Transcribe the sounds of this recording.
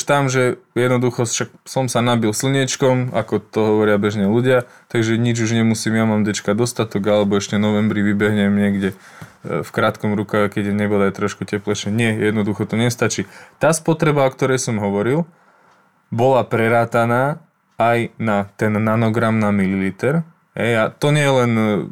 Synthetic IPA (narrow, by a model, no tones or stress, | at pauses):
ʃt̪amʒɛjɛd̪nɔd̪uxɔʃak̚sɔmsanabilsl̩ɲɛt͡ʃkɔma̰kɔt̪ɔɦɔʋɔɾɪabɛʒɲɛluɟɪa | t̪aɡʒɛɲid͡ʒuʒɲɛmusiːmjamaːmd̪ɛt͡ʃkad̪ɔst̪at̪ɔɡalɛbɔɛʃcɛnɔʋɛmbɾiʋibɛɦɲɛmɲɪɛɡɟɛ | fkɾaːt̪kɔmɾukaɣɛkɛɟɛɲɛbɔd̪ajt̪ɾɔʃkucɛplɛʃɛɲɪɛjɛd̪nɔd̪uxɔt̪ɔɲɛst̪at͡ʃiːt̪aːspɔt̪ɾɛbaɔkt̪ɔɾɛjsɔmɦɔʋɔɾil | bɔlapɾɛɾaːt̪anaː | ajnat̪ɛnːanɔɡɾamnamililiːt̪ɛɾ | ɦɛjat̪ɔɲɛjɛlɛn